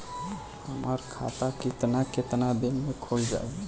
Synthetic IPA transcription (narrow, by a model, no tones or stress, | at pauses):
həməɾkʰa̰t̪akit̪naket̪nad̪enmekʰold͡ʒa̰